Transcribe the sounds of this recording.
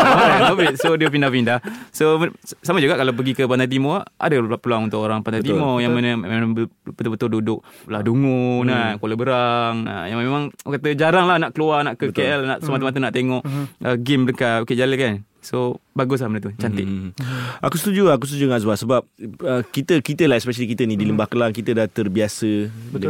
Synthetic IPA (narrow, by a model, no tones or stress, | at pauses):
aovit̚sodəpindapindasosamad͡ʒuɡaʔkalap̬əɡikəp̬ant̪ajt̪̬imoa̰dapəluaŋunt̪ʊkoɾaŋpant̪ajt̪mojaŋmənəmembbət̪bət̪ʊldudʊk̚lahduŋunakoləbəɾaŋə̰jamemãŋkat̪əd͡ʒaɾaŋlahnaʔkəluarnaʔkəkeɛlnaʔsəmat̪əmat̪ənaʔt̪eŋɔʔʔəɡɪmləkaokeʔd͡ʒaləkan | sobaɡʊs̬lahmənət̪ut͡ʃant̪ɪʔ̚ | akusə̥t̪ud͡ʒuak̬usət̪ud͡ʒuŋasbasəbap̚əkit̪əkit̪əlaspɛʃəlikit̪ənidiləmbahkəlaŋkit̪ədat̪ərbiasəb